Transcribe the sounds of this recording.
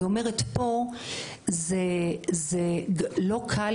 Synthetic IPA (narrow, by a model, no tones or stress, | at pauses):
ome̞ʁetpo̞ | zezelo̞kʰal